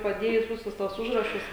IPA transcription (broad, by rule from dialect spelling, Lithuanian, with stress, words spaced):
pɐˈdʲeːjʊs ˈʋʲɪsʊs ˈtuɔs ˈʊʒrɐʃʊs